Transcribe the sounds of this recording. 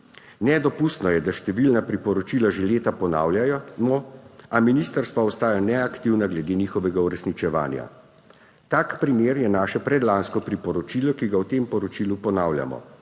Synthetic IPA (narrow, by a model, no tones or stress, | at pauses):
nɛd̪ɔpust̪nɔjɛd̪aʃt̪ɛʋilnapɾipɔɾɔt͡ʃilaʒeleːt̪apɔna̰ːwljajɔmɔaminist̪əɾst̪ʋaɔst̪aːjanɛakt̪iwnaɡlɛd̪eːniːxɔʋɛɡauɾɛsnit͡ʃɛʋa̰ːnja̰ | t̪aːkpɾimeːɾjɛnaːʃɛpɾɛd̪laːnskɔpɾipɔɾɔt͡ʃiːlɔkiɡawt̪eːmpɔɾɔt͡ʃilupɔnaːwlja̰mɔ̰